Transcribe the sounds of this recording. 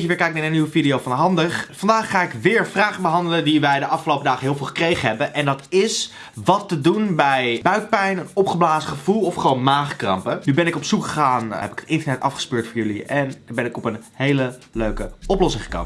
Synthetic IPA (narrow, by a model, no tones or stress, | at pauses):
əʋɪːɹkɛjk̚naːɹənːiwəfidijowfɑnɦɑndəχfɑndaːχːaːɪkʋɪːɹvraːχəbəɦɑndələndiʋɛjdəʔɑfχəlowpədaːχəɦɪːlˠvɪːlˠχə̥krejχəɦɛbənʔɛndɑtɪs | ʋɑtːədunbɛjbœɥt̚pɛjnənɔpχəblaːzəχəvulˠɔfχəʋownmaːχkrɑ̰mpənybɛnɪkɔpsukχəχaːnɦɛpɪ̥kətɪntənɛtɑ̰fχə̥spøːɹtfʊːɹjɵliʔɛndbɛnɪkɔpənɦejlə | løɥkəɔplɔsɪ̃ŋχə̥kɑ̰t